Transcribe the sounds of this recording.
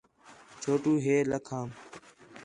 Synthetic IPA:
t͡ʃʰoːʈuːɦeːləkʰãːm

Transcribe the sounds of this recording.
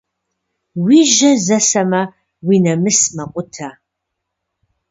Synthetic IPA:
wiːʒɐzɐsɐmɐ | wiːnɐmɨsmɐqʷʼʊtʰɐ

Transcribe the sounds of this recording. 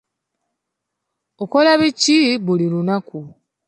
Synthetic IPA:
oko̞laβiciβulilunaku

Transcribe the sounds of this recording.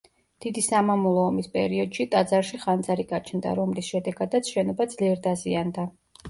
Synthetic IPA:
d̪̥id̪isamamulˠɔːmispʼɛ̰ɾiɔd̪ʃit̪ʼad̪zaɾʃiχand̪zaɾiɡat͡ʃʰnd̪a̰ɾɔmlisʃɛd̪ɛɡad̪at̪sʰʃɛnɔbad̪zliɛɾd̪aziand̪a

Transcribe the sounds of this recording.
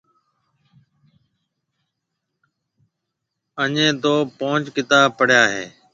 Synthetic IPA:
əɲẽːt̪oːpõːt͡ʃkɪt̪aːpəɽjaːɦḛː

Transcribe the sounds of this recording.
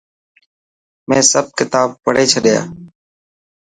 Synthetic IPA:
mẽːsəb̚kɪt̪aːb̚pəɽ̤eːt͡ʃʰəɗɪja̰ː

